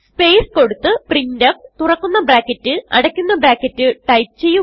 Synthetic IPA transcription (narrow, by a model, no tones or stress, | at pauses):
spe̞jsko̞ɽut̪ːɨprindɐft̪urɐkːunːɐbɾaːkːɐtːɨɐɽɐkʲːunːɐbraːkʲːɐtːɨʈɐjp̚t͡ɕe̞jːu